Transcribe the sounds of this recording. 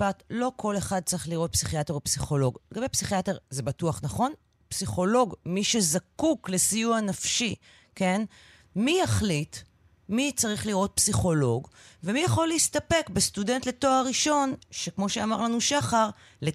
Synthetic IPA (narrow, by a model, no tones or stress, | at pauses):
patlo̞kʰo̞le̞χad̪̚t͡saʁiχliʁo̞t̚psiχiateopsiχo̞lo̞ɡleɡabe̞jpsiχiateʁzebatuaχnaχo̞n | psiχo̞lo̞ɡmiʃe̞zakukle̞sijuanafʃi | ke̞n | mijaχlit | mit͡saʁiχliʁo̞t̚psiχo̞lo̞ɡvemijaχo̞leistape̞kbestudentle̞to̞aʁiʃo̞nʃekmo̞ʃeamaʁlanuʃaχaʁ | le